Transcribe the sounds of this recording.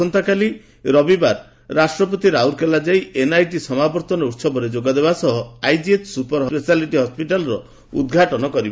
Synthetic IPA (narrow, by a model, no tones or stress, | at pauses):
ɔnt̪akali | ɾɔbibaɾ | ɾasʈɾɔp̬ot̪iɾauɾkelad͡ʒajenajʈisɔmabɔɾt̪ɔnɔut̪sɔbɔɾed͡ʒoɡad̪eβasɔɦɔajd͡ʒiet̪ʰsupɔɾɦɔpesaliʈiɦɔspiʈalɔɾɔ | ud̪ɡʱaʈɔnɔkɔɾibe